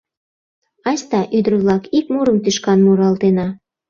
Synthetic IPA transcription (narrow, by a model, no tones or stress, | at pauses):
ɑsʲt̪ɑʔyd̪əɾəβlɑkikmuɾəmt̪yʃkɑnmuɾɑlt̪enɑ